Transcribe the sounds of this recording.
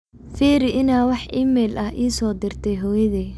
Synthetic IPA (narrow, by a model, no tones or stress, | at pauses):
fiːɾɪʔɪnaːwɑħʔiːmɛːlʔɐɦʔiːsɔːd̪ɪrt̪ʰɛjɦɔjɐðɛː